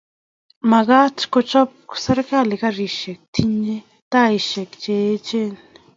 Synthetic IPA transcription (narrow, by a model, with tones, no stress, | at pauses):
ma˨ɡa˦t͡ʃko˧t͡ʃɔ˦p̚se˦ɾka˦˨li˨ka˦ɾi˨ʃe˨k̚t̪ʰi˦ɲd͡ʒe˦ | t̪a˦i˨ʃe˨kt͡ʃe˨˦t͡ʃe˦˨n